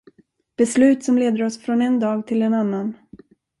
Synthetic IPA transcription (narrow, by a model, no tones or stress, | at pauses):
b̥ɛslʉ̟ːt̪sɔmleːd̪əɾɔsfɾɔnɛnd̪ɑːɡt̪ʰɪlɛnanːan